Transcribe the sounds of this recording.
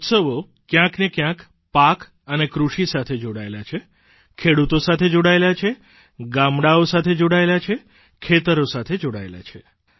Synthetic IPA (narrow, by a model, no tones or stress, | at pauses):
ut̪səʋo | kjãknekjãk | pak | ənekɾuʃisat̪ʰed͡ʒoɽaelat͡ʃʰe | kʰeɽut̪osat̪ʰed͡ʒoɽaelat͡ʃʰe | ɡamɽaosat̪ʰed͡ʒoɽaelat͡ʃʰe | kʰet̪əɾosat̪ʰed͡ʒoɽa̰ela̰t͡ʃʰe